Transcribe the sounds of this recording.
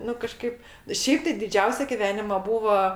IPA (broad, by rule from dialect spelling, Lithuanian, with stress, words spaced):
ˈnʊ kɐˈʃkɐɪp ˈʃʲɛɪp tɐɪ dʲɪˈd͡ʒʲɛʊsʲɛ ɡʲɪˈʋʲæːnʲɪmɐ ˈbuːʋɐ